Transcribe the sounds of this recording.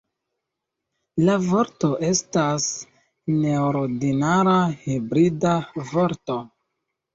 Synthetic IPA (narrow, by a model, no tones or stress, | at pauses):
lavo̞ɾto̞ʔe̞stas | neoɾdinaɾahibɾidavo̞ɾto